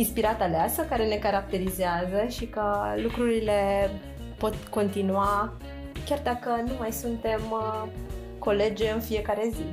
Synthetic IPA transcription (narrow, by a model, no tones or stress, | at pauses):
inspiɾat̪aleasəkaɾe̞ne̞kaɾak̚t̪e̞ɾizeazəʃikəlukɾuɾile̞ | po̞t̪ko̞nt̪inua | kʲjard̪akənumajsunt̪e̞m | ko̞le̞d͡ʒeɨnfije̞kaɾe̞zi